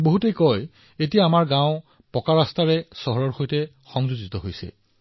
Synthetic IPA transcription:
boɦutejkɔj | etijaːmaɹɡãwʊ̃ | pɔkaɹastaɹɛsɔɦɔɹɔɹxojtɛ | xɔŋzuzitɔɦojsɛ̰

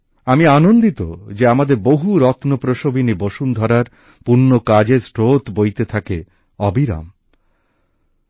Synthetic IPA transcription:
amianond̪it̪o̰d͡ʑeamad̪eɾboɦuɾɔt̪nopɾoʃobiniboʃund̪ʱɔɾaɾ | puɾnːokad͡ʑeɾsʈɾot̪bojt̪et̪ʰake | ɔbiɾa̰m

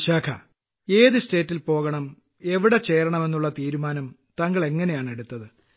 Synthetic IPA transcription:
ɕaːkʰɐ̰ | e̞ːðɨste̞ːtːilpo̞ːɣɐɳɐm | e̞ʋiɽe̞t͡ɕe̞ːɾɐɳɐme̞nːuɭːɐt̪iːɾumaːnɐmt̪ɐŋɡɐɭe̞ŋːɐne̞jaːɳe̞ɽut̪ːɐðɨ

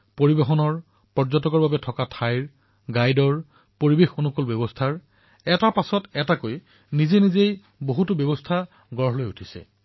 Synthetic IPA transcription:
poɹibexɔnɔɹ | pɔɹzɔtɔkɔɹbabɛtʰɔkatʰajɹ | ɡajdɔɹ | poɹibexonukolbjɔbɔstʰaɹ | ɛtapasɔtɛtakoj | nizenizej | boɦutʊbjɔbɔstʰa | ɡɔɹɦɔlojutʰi̥sɛ̰

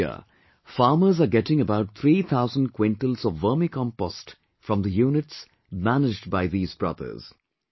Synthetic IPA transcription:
ə̰ | faːməzaɡɛʈɪ̃ŋəbaʊʈ̚t̪ʰɾiːt̪ʰaʊzə̃nɖ̚kwẽɳʈəlzɔʋːəːmikɔ̃mpɔsʈ | fɾɔ̃md̪əjuːnɪʈs | mænɪd͡ʒɖbaɪðiːzbɹʌ̰d̪ə̰z̥

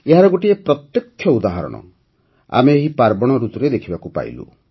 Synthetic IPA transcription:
eɦaɾɔɡoʈiepɾɔt̪jɔkʰːjɔud̪aɦaɾɔ̰ɽ̃ɔ̰ | a̰meːɦipaɾbɔɽ̃ɔɾut̪ɔɾed̪ekʰibakupa̰ḭlṵ

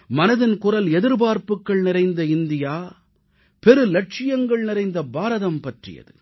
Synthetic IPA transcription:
mɐnɐðɪnkʊrɐlɛðɪɾbaːɾpɯkːɐɭnɪɾɐɪnd̪ɐɪnd̪ɪjaː | pɛɾɯlɐʈ̚t͡ʃɪjɐŋɡɐɭnɪɾɐɪnd̪ɐbaːɾɐðɐmpɐʈrɪ̰jɐ̰ðɯ̰

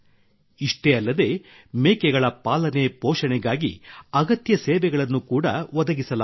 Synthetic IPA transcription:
iʂʈeɐlːɐd̪e̞ | meːkɛɡɐɭɐpaːlɐnepoːʂɐɳɛɡaːɡḭɐɡɐt̪jɐseːʋɛɡɐɭɐnːukuːɽɐʋɐd̪ɐɡisɐla

